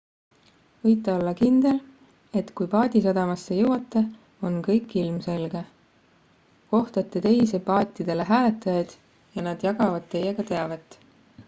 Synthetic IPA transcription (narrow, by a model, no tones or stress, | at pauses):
vɤjt̪ːˑeo̞lːɑkind̪̥e̞l | e̞t̪kujpɑːd̪̥ʲisɑd̪̥ɑmɑsːe̞jɤwɑt̪ˑːe̞ | o̞nkɤjkːˑilmse̞lɡe̞ | ko̞ht̪ɑt̪ːˑe̞t̪e̞jsepɑːt̪ʲːid̪̥e̞le̞ɦæːlet̪ːˑɑjɑd̪̥ | jɑnɑd̪̥jɑɡ̥ɑvɑd̪̥t̪ːe̞jːe̞ɡ̥ɑt̪e̞ɑvɑt̪ːˑ